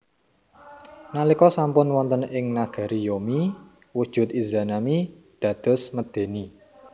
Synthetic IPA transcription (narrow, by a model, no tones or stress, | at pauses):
nalikɔsampʊnwɔnt̪ənɪŋnaɡ̥a̤ɾijomi | wud̥ʒ̥ʊ̤t̪izanami | d̪̥ä̤d̪̥ɔ̤sməd̪̥e̤ni